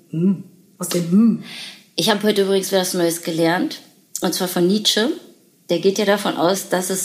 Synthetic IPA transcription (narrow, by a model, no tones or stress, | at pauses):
ʔɪçhaːbəɦɔʏtəʔyːbʁɪɡŋ̩svɛːtvasnɔʏəsɡ̥əlɛɐnt | ʔʊntt͡sv̥aːɐfɔnːiːt͡ʃə | d̥eːɐɡeːtjaːɾafɔnʔa̰ʊsd̥asɛs